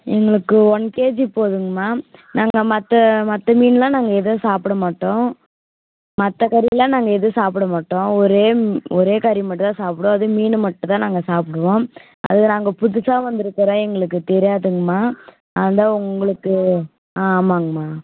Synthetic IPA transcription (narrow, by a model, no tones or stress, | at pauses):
ɛŋɡɐɭɯkːɯɔɳkeːd͡ʒpoːðɯŋɡɐmaːnaːŋɡɐmɐt̪ːɐmɐt̪ːɐmiːnlãːnaːŋɡɐɛðɯsaːpɪɽɐmaːʈːõː | mɐt̪ːɐkɐɾɪlãːnaːŋɡɐɛðɯsaːpɪɽɐmaːʈːõːɔɾeːɔɾeːkɐɾɪmɐʈːt̪ãːsaːpɽõːɐðɯmiːnɯmɐʈːɐ̃t̪ãːnaːŋɡɐsaːpɪɽɯʋõː | ʔɐ̰ðɯnaːŋɡɐpʊðʊsaːʋɐnd̪ɯɾɯkːɐɾãːɛŋɡɐɭɯkːɯt̪ɛɾɪjaːðɯŋɡɐmaː | ɐnd̪aːʊŋɡɐɭɯkːɯ | aːmaːŋɡɐmaː